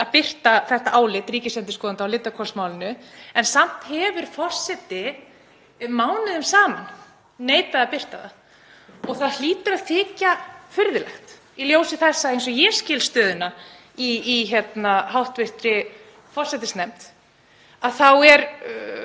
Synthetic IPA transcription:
aðpɪr̥t̪aθɛht̪aʔaːwlɪt̪ɾiːcɪsɛnt̪ɪskɔːðant̪awlɪt̪ːakʰɔr̥smawlɪnʏɛnsam̥t̪hɛvʏɾ̥fɔr̥sɛt̪ɪ | maːwnɪðʏmsaːmanː | eːjt̪vɛðapɪr̥t̪aða̰ | ɔɣθaðl̥iːt̪ʏɾaðθɪːcafʏɾðɪlɛxt̪ | iljoːwsɪθɛsːaejns̬ɔɣjɛscɪːlst̪œːðʏna | iːçɛt̪naɦawht̪vɪr̥t̪ɾɪ | fɔrsɛt̪ɪsnɛm̥t̪ | aðθawɛɾ

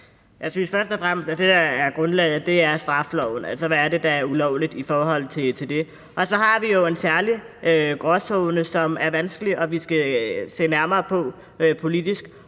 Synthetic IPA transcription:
jɑ̈ɪsynsfɶɐsd̥ɒfʁam̰əsd̥æd̥e̝d̥ɑæɐɡ̥ʁɔ̽nlɛ̰ːð̩ˠd̥e̝æɐsd̥ʁɑ̈flɒʊn̩ælsɒʋæːɐde̝d̥ɑ̈æɐulɒʊlid̥ifɒːɦɒ̽l̰t͡sʰe̝t͡sʰe̝ld̥e̝ | ʔɒ̽sɒ̽ɦɑ̈ʋijo̝e̝nsæɐli | ʔøɡ̥ʁɒsɔʊnəsɒ̽mæɐʋænsɡ̥əliʔɒ̽ʋisɡ̥æse̝̰ːnæɐmɐːpʰɒ̽ | pʰo̝lid̥isɡ̥

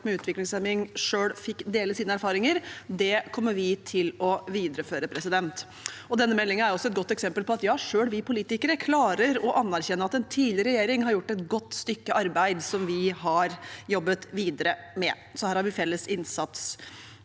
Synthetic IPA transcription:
mɛʉːt̪ʰʋɪklɪŋsɛmɪŋʂøːɽfɪkːd̪eːləsiːnəæɾfɑːɾɪŋəɾd̪ɛkʰɔmːəɾʋɪt̪ʰɪlɔʋiːd̪ɾəføːɾəpʰɾɛsɪd̪ɛnt̪ | ɔd̪ɛnːəmɛlːɪŋənæɾʊɔsɔɛt̪ɡɔt̪ːɛksɛmpəlpɔɑt̪jɑːʂøːɽʋɪpʊliːt̪ɪkəɾəkʰlɑːɾəɾɔʔɑnːæɾçɛnːəɾɑt̪ɛnt̪ʰiːlɪɾɛjeːɾɪŋhɑɾjʊʈːɛt̪ɡɔt̪ːst̪ʏkːəʔɑɾbæɪd̪sɔmʋɪɦɑɾjɔbːət̪ʋiːd̪əɾə | mɛ | sɔhæːɾhɑɾʋɪfɛlːəsɪnsɑt̪s

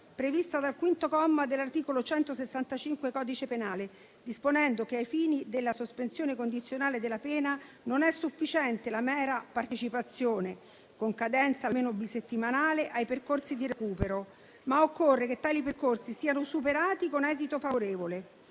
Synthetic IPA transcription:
pɾevist̪ad̪alkwint̪okɔmːad̪elːart̪iːkolot͡ʃɛnt̪osesːant̪at͡ʃiŋkwekɔːd̪it͡ʃepenaːle | d̪isponɛnd̪okeajfiːnid̪elːasospensjoːnekond̪it̪sːjonaːled̪elːapɛːna | nonɛsːufːit͡ʃɛnt̪elamɛːɾapart̪et͡ʃipat̪sːjoːne | koŋkad̪ɛnt̪salmeːnobiset̪ːimanaːleʔajperkorsid̪iɾekuːpeɾo | maokːorːeket̪ːaːliperkorsisiːanosupeɾaːt̪ikonɛːzit̪ofavoɾeːvole

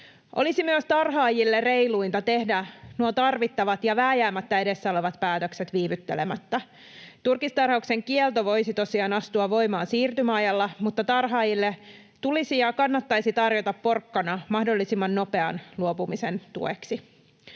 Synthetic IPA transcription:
ʔo̞̰lisimyøst̪ɑrɦɑːjilːere̞jluint̪ɑt̪e̞hdænuot̪ɑrʋit̪ːɑʋɑt̪jɑʋæːjæːmːæt̪ːæe̞ɾe̞sːæoleʋɑt̪pæːt̪økset̪ʋiːʋyt̪ːe̞̰lemæt̪ːæ | t̪urkist̪ɑrhɑukse̞ŋkielt̪oʋo̞jsit̪o̞siɑːnɑst̪uɑʋo̞jmɑːnsiːrt̪ymæɑjɑlːɑmut̪ːɑt̪ɑrɦɑːjilːe | t̪ulisijɑkɑnːɑt̪ːɑjsit̪ɑrjot̪ɑppo̞rkːɑnɑmɑhdo̞lːisimːɑnːo̞pe̞ɑ̰nluopumisent̪ṵḛksi

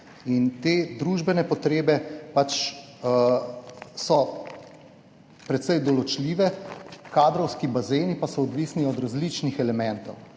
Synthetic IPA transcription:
int̪eːd̪ɾuʒbɛnɛpɔt̪ɾeːbɛpat͡ʃ | sɔ | pɾɛt̪sɛjd̪ɔlɔt͡ʃliːʋɛkaːd̪ɾɔwskibazeːnipasɔɔd̪ʋiːsniɔd̪ɾazlit͡ʃnixɛlɛmɛnt̪ɔw

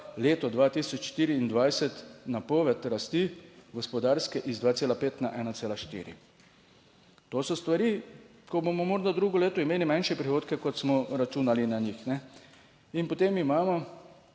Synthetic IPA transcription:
leːt̪ɔd̪ʋaːt̪isɔt͡ʃʃt̪iːɾiːnd̪ʋajsɛt̪napɔːʋɛt̪ɾast̪iɡɔspɔd̪aːɾskɛʔizd̪ʋaːt̪seːlapeːt̪naʔɛːnat̪seːlaʃt̪ḭːɾḭ | t̪oːsɔst̪ʋaɾi | kɔbomɔmɔɾd̪ad̪ɾuɡɔleːt̪ɔimeːlimanʃɛpɾixoːt̪kɛkɔt̪smɔɾat͡ʃuːnalinaɲixnɛ | inpɔt̪emimaːmɔ

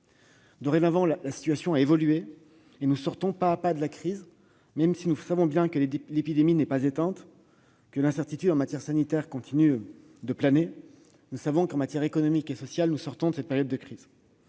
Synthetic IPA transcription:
d̪əʁẽnavɑ̃lalasi̥t̪ɥasjɔ̃aevɔlye | enusɔʁt̪ɔ̃paːpad̪əlakχiz | mɛmsinusavɔ̃bjɛ̃kəllepid̪eminɛpazet̪ɛ̃t̪ | kəlɛ̃sɛʁt̪it̪yd̪ɑ̃mat̪jɛʁsanit̪ɛʁkɔ̃t̪ʰiny | d̪əplane | nusavɔ̃kɑ̃mat̪jɛʁekɔnɔmikesɔsjalnusɔʁt̪ɔ̃d̪əsɛt̪̚peʁjɔd̪ːəkχiːz

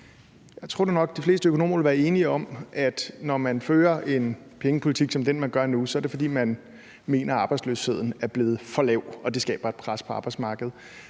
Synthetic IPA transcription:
jɑ̈ɪt͡sʰʁo̝ɐ̰d̥e̝nɒ̽ɡ̥̚d̥ifle̝ːsd̥əøkʰo̝no̝̰ːmɐʋe̝lʋæːɐe̝ːniɒ̽mʔæd̥nɒmænføːɐʔe̝n | pʰeŋəpʰo̝lit͡sʰiɡ̥sɒ̽md̥enmænɡ̥ɶɐnusɒæɐɾe̝fɒ̽d̥ḭːmæn | me̝̰ːnɐɑ̈ːb̥ɑ̈ɪdsløshe̝ð̞̰ˠn̩æɐb̥le̝ːð̞̩ˠfɒ̽lɛʊɒ̽d̥e̝sɡ̥ɛ̰ːb̥ɐe̝d̥pʰʁaspʰɒ̽ɑ̈ːb̥ɑ̈ɪdsmɑ̈ːɡ̥əð̞̩ˠ

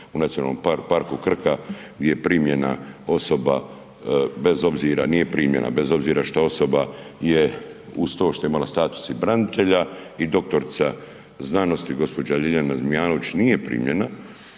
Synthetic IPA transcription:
unat̪iona̰lːomppaɾkukr̩kaɡd̪ʲjejepɾimje̞na̰o̞so̞ba̰ | be̞zo̞bziːɾanije̞pɾiːmjḛna̰be̞zo̞bziːɾaʃt̪oo̞so̞baje̞ust̪oʃt̪ojeimalast̪aːt̪u̥sibɾanit̪e̞ʎa | id̪o̞k̚t̪o̞ɾt̪sa | znaːno̞st̪iɡo̞spo̞d͡ʑaʎiʎanazmijaːno̞ʋit͡ɕnije̞pɾḭːmje̞na

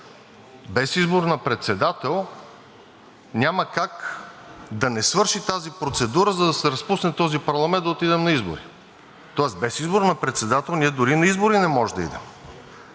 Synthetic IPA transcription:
bɛsizboɾnɐpɾɛt̪sɛd̪at̪ɛlˠ | nʲaməkak | d̪ɐnɛsvɤɾʃit̪azipɾot̪sɛd̪uɾəzɐd̪ɐsɛɾɐspusnɛt̪ɔzipɐɾlˠɐmɛ̃nt̪d̪ot̪id̪ɛmnɐizbo̰ɾi | t̪ɔəsbɛsizboɾnɐpɾɛt̪sɛd̪at̪ɛlˠniɛd̪ʊɾinɐizboɾinɛmɔʒd̪ɐḭd̪ɛ̰m

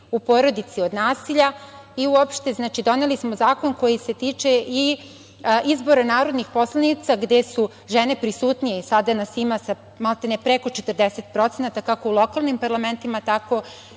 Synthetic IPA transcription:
upo̞ːɾo̞d̪it̪sio̞d̪naːsiʎaiuopʃt̪e̞znaːt͡ʃid̪o̞ne̞lismo̞zaːko̞nko̞jise̞t̪iːt͡ʃe̞ʔi | ʔizbo̞ɾanaːɾod̪nixpo̞slˠanit̪saɡd̪e̞su | ʒene̞pɾisuːt̪nijeisad̪anasimasa | malt̪enepɾeko̞t͡ʃet̪ərd̪ese̞t̪pɾo̞t̪senat̪akakoulˠo̞kalˠnimpaɾlˠame̞nt̪imat̪ako̞

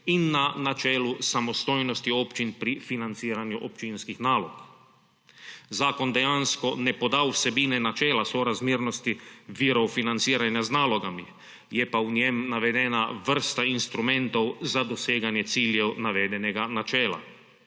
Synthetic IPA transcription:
inːanat͡ʃɛːlusamɔst̪ojnɔst̪iopt͡ʃinpɾifinant̪siːɾanjuʔopt͡ʃinskixnaːlo̰k | zaːkond̪ɛjanskɔnɛpod̪awsɛbiːnɛnat͡ʃɛːlasoɾazmiːɾnost̪iʋiɾofinant̪siːɾanjaznaːloɡami | jɛpaunɛmnaʋɛd̪ɛnaʋr̩st̪ainst̪ɾumɛ̃nt̪owzad̪oseːɡanjɛt̪siːljɛwnaʋɛːd̪ɛnɛɡanat͡ʃɛːla̰

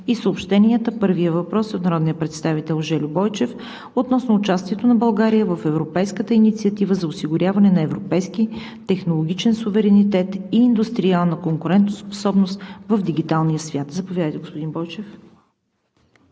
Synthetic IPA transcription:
isəopʃt̪ɛniət̪əpɤɾviəvɐpɾɔsot̪nɐɾɔd̪nijəpɾɛt̪st̪avit̪ɛlˠʒɛlʲʊbɔjt͡ʃɛf | ot̪nɔsnʊːt͡ʃast̪iɛt̪onɐbɐlˠɡaɾijəvəfɛvɾopɛjskət̪əinit̪siət̪ivəzɐʊsiɡʊɾʲavɐnɛnɐɛvɾopɛjski | t̪ɛxnolˠoɡʲit͡ʃɛnsuvɛɾɛnit̪ɛt̪iːnd̪ust̪ɾialˠnəkoŋkʊɾɛnt̪nospo̥sɔbnost̪vəvd̪iɡ̟it̪alˠnijəsvʲjat̪zɐpovʲjavəjt̪ɛɡospod̪inbɔjt͡ʃɛf

